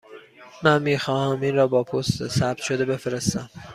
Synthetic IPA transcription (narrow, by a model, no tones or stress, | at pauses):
mænmiːxɒːhæmiːnrɒːbɒːpʰost̪sæb̥̚t̪ʃo̞d̪e̞be̞feɾest̪æm